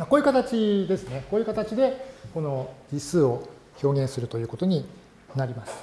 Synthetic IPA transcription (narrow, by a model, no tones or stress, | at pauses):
makoːjiɯ̟kat̪at͡ɕid̪e̞sɨne̞ko̞ːjɯ̟kat̪at͡ɕid̪e̞ko̞no̞d͡ʑisɨːo̞ | ço̞ːɡẽ̞sɨɾɯ̟t̪o̞jɯ̟ːko̞t̪o̞ɲ̟i | naɾʲimasɨ̥